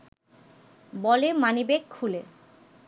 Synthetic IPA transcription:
bɔlemanibekʰːule

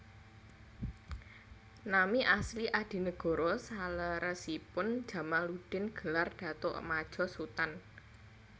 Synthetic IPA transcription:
namiʔasliʔad̥i̤nəɡ̥ɔ̤ɾɔsaləɾəsipʊnd̥ʒ̥a̤maluɖ̥ɪ̤nɡ̥ə̤larɖ̥a̤t̪ʊʔmad̥ʒ̥ɔ̤sut̪an

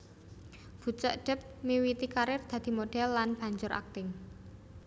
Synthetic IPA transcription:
b̥ṳt͡ʃəʔɖ̥ə̤p̚miwit̪ikaɾɪfd̪̥a̤d̪̥i̤moɖ̥ɛ̤lːanb̥ä̤ɲd͡ʒʊɾʔa̰k̚t̪ɪŋ

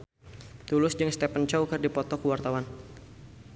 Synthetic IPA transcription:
t̪ulʊsd͡ʒɨŋst̪ɛpənt͡ʃɔwkɨrdipɔt̪ɔkəwart̪awan

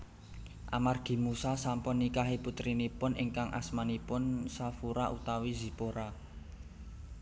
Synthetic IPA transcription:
ʔa̰marɡ̥i̤musasampʊnːikaɦiput̪ɾinipʊnɪŋkaŋʔa̰smanipʊnsafuɾaʔut̪awizi̤poɾa

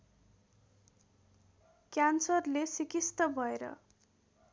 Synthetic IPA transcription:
kjansʌrlesikist̪ʌbʱʌeɾʌ̰

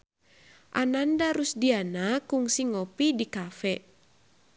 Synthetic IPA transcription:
ʔanandaɾusdianakuŋsiŋopidikafɛ

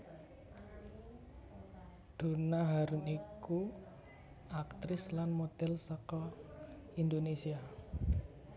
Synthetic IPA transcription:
d̪̥ṳnaɦaɾuniku | akt̪ɾɪslanmod̪̥ɛlsɔkɔ | ind̪onesia

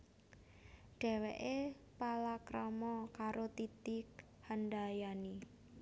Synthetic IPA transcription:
ɖ̥ɛ̤wɛ̰ʔe | palakɾɔmɔkaɾot̪it̪ɪk | hanɖajani

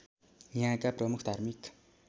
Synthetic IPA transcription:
jãkaprəmukt̪armik

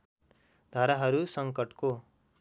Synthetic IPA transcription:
d̪ʱaɾaɦʌɾusʌŋkʌʈko

